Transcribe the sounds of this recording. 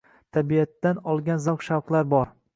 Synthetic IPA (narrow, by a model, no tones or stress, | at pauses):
t̪ʰabiat̪ːanɒlˠɡʲanzawqʃawqlˠaɾbɒɾ